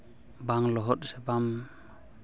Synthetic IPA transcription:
baŋlɔɦɔt̚sɛbam

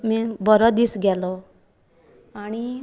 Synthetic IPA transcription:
mɛbɔɾɔd̪isɡɛlɔ | aɽ̃i

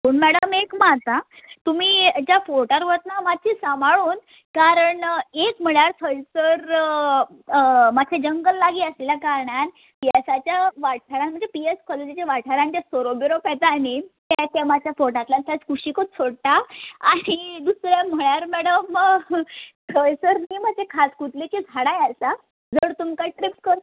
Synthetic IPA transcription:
puɳmɛɽəmekmat̪a | t̪umiːd͡ʑafoɾʈəɾʋət̪̚namadt͡ɕisamaɭuːn | kaɾəɳekm̤əɭaɾt̪ʰəjsəɾ | mat͡ɕʰed͡ʑəŋɡəlːaɡiːəsleljakaɾɳan | piesat͡ɕjaʋaʈʰaɾãnm̤əɳd͡zepieskɔled͡ʑit͡ɕaʋaʈʰaɾãnt͡ɕ̪jasoɾobiɾopɛt̪anet̪jat͡ɕ̪jamat͡ɕʰjafonãt̪lant̪ʰat͡skʰuɕikot̪sʰoɽt̪aaɽ̃id̪usɾam̤əɭaɾmɛɽəm | sʰəjsəɾniːmad͡ʑʱekʰaskut̪let͡ɕid͡zʱaɽajasa | d͡zəɾt̪umkaʈɾipskəɾt̪

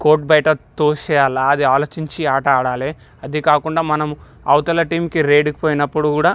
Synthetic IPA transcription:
ko̞ːʈ̚bɐjʈɐt̪oːʃɛːjalaɐd̪iaːlo̞ːt͡ʃiɲt͡ʃiaːʈɐaːɽaːle | ɐd̪ikaːkuɳɖaːmɐnɐmu | ɐ̰wt̪ɐlɐʈiːmkiɾe̞ːɖikipoːjinɐpːuɽukuːɽaː

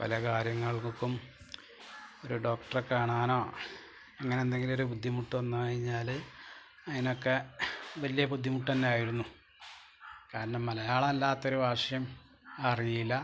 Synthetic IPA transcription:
pɐ̰lɐkaːɾjɐŋːɐɭkːum | o̞ɾuɖo̞ːkʈɐrkaːɳaːno̞ː | eŋːɐnend̪e̞ŋɡilo̞ɾubud̪ʱːimuʈːuʋɐnːukɐɻiɲːaːl | ɐðinokːeʋɐlijɐbud̪ʱːimuʈːɐnːeaːjiɾunːu | kaːɾɐɳɐmːɐlɐjaːɭɐɐlːaːt̪ːo̞ɾubʱaːʂɐjɐm | ɐrijilːɐ

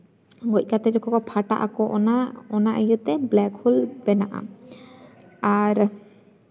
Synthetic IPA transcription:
ɡɔc̚ˀkat̪ɛd͡ʒɔkʰɔkɔpʰaʈa̰ʔa̰kɔʔnaɔnaʔəjut̪ɛblɛkhulbɛnaʔa̰ | aɾ

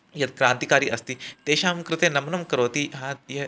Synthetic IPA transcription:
jɐt̪kɾãːnt̪ikaːɾiːʔɐst̪iːt̪eːɕaːmkɾɪt̪enɐmnɐmkɐɾoːt̪iːɦãt̪je

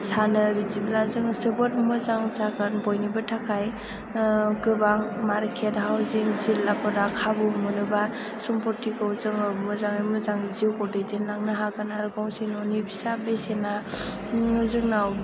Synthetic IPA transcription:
sanɯbiziblazɯŋsɯbɔtmɯzaŋzaɡɯnbɔjnibɯtʰakʰaj | kɯbaŋmaɾkʰethawziŋzilːapɔɾakʰabumɯnɯba | sɔmpɔɾtʰikɯzɯŋɯmɯzaŋɯmɯzaŋziwkɔdetenaŋnɯɦaɡɯnaɾɡawsinɔnibisabesena | ɯzɯŋnaw

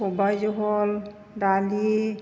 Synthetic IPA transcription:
ɔbajzɔɦɔl | dali

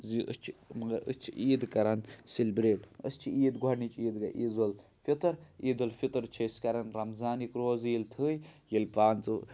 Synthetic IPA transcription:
ziʔət͡ʃʰimɐɡɐɾə̰st͡ʃʰiʔiːd̪kɐɾɐnsilʲbɾeːʈə̰st͡ʃʰiiːd̪ɡʱɔɽnit͡ʃʰʼiːd̪ɡɐ̰ʔiːzɐlfit̪ɨɾiːd̪ɐlfit̪ɨɾt͡ʃʰɐskɐɾɐnɾɐmzaːnikɾoːziːlt̪ʰɨːjjilpaːnt͡sɨ

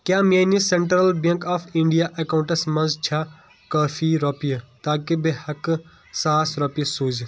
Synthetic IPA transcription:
kjaːmaːnisẽɳʈɾɐlbɐ̃ŋkaːfĩɳɖijaʔɐkaũɳʈɐsmɐ̃nzt͡ʃʰaː | kaːfʰiɾɔːpijɐt̪aːkibehɐk | saːsɾɔːpiɐsuːd͡ʒi

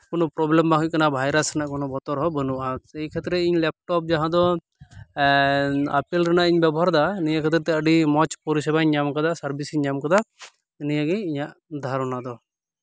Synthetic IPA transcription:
kɔnɔpɾɔblɛmbaɦuc̚kanabʱajɾasɾanaʔkɔnɔbɔt̪ɔɾɦɔbənuʔaɛjkʰɛt̪ɾɛiɲlɛp̚ʈɔp̚d͡ʒaɦãd̪ɔ | apilɾanaʔiɲbabɔɦaɾd̪anijakʰɛt̪ɾɛt̪ɛəɖimɔt͡ʃpɔɾisɛbaɲamkad̪asaɾbisiɲamkad̪a | nijaɡɛiɲaʔd̪ʱaɾɔnad̪ɔ

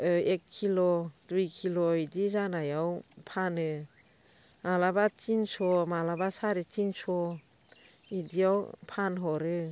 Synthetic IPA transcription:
ekʰːilɔduijkʰilɔidizanajawpʰanɯ | malabat͡ʃinsɔmalabasaɾit͡ʃinsɔ | idijawpʰanɦɔɾɯ

